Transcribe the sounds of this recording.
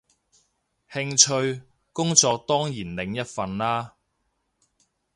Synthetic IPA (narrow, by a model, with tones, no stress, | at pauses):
hɪ˧ŋt͡ʃʰɵ˧ɥ | kʊ˥ŋt͡sɔː˧k̚t̪ɔː˥ŋjiː˨˩nlɪ˨˧ŋjɐ˥t̚fɐ˨˧nlaː˥